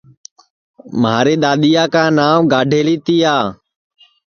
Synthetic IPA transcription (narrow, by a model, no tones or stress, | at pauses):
maːɾeːɗ̪aːɗ̪ijaːkãːnaːʋɡaːɖʱeːliːt̪iːaː